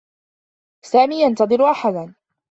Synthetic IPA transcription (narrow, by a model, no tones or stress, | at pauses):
saːmiːjant̪ɑðˤɨɾʔaħad̪an